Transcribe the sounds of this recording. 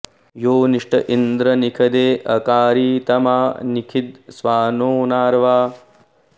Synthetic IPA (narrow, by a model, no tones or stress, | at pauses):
joːniʂʈɐʔind̪ɾɐnikʰɐd̪eːʔɐkaːɾiːt̪ɐmaːnikʰid̪sʋaːnoːnaːɾʋaː